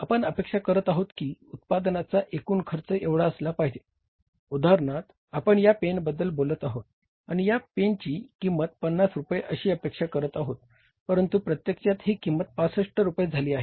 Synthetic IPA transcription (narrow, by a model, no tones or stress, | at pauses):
apəɳəpekʂakəɾət̪aɦot̪kiːut̪̚pad̪nat͡saʔekuːnkʰəɾt͡səʔeʋɽaəslapaɦd͡ʑe | ud̪aɾɳat̪ | apəɳjapenbəd̪ːəlbolət̪aɦot̪̚ | aɽ̃ijapeɳt͡ɕiːkimːət̪̚pənːasɾupəjeʔəɕiːəpekʂakəɾət̪aɦot̪̚ | pəɾənt̪upɾət̪jekt͡ɕjat̪ɦiːkimːət̪̚pasəʂʈəɾupəjed͡zʱaliːaɦe